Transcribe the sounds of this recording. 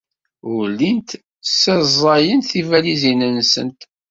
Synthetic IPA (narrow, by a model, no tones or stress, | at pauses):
wlːint̪ | sæzˤɑjənθivælizinənsə̰nt̪